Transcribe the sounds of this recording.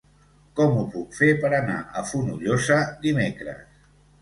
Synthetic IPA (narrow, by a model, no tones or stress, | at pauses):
kɔmupukfepəɾəna̰ʔəfunuʎosəd̪imekɾə̰s